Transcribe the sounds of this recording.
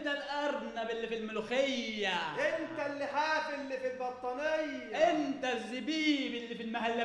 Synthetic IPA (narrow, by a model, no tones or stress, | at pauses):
t̪alʔɑɾˤnabɪlːifilmʊlxɪjːaʔɪnt̪alːɪħaːfɪlːifilbɑt̪ˤːɑnɪj | aʔɪnt̪azːɪbiːbɪlːifilmahalːa